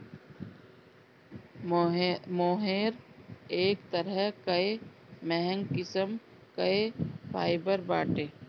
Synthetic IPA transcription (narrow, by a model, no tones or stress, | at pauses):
moːɦeːɾeːkt̪əɾəkɐe | mɛɦɛ̃ŋɡkɪsəm | kəepʰaːɪbəɾbaːʈeː